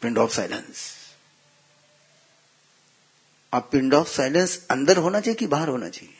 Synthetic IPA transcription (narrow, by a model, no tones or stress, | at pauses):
pɪɳɖɔːfsa̰jlə̰ns | apɪɳɖɔfsajlənsə̃nd̪əɾɦonat͡ɕekibaɦəɾɦona̰t͡ɕeː